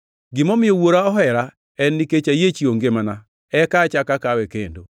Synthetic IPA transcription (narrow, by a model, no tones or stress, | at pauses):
ɡɪmɔmɪowoɾaɔɦɛɾa | ɛnːiket͡ʃajet͡ʃioŋɡemana | ɛkat͡ʃakakawɛkendo̰